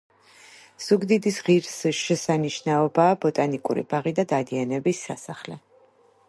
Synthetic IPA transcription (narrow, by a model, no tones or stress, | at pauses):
z̥uɡd̪id̪isʁiɾsʃɛsaniʃnaɔbaːbɔt̪ʼanikʼṵɾḭbaʁid̪ad̪ad̪ianɛbisːa̰saχlɛ